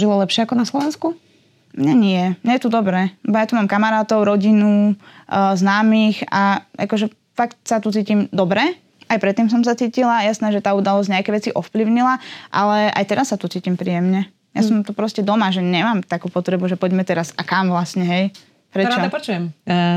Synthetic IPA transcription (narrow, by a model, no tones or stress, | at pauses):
ʒilalɛpʃɪɛakɔnaslɔʋɛnsku | mɲɛɲɪɛmɲɛjɛt̪ud̪ɔbɾɛːlɛbɔjat̪umaːmkamaɾaːt̪ɔʊɾɔɟinu | znaːmiːxaʔa̰kɔʒɛ | fakt̪sat̪ut͡siːcimd̪ɔbɾɛ | ajpɾɛt̪ːiːms̬ɔms̬at͡siːcilajasnɛːʒɛt̪aːud̪alɔsɟɲɛakɛʋɛt͡siʔɔfpliʊɲilaʔalɛʔa̰jt̪ɛɾasːat̪ut͡siːcimpɾiːjɛmɲɛ | ja̰sɔmt̪upɾɔscɛd̪ɔmaʒɛɲɛmaːmt̪akuːpɔt̪ɾɛbuʒɛpɔɟmɛt̪ɛɾasakamʋlasɲɛɦɛj | pɾɛt͡ʃaɔpɔt͡ʃujɛm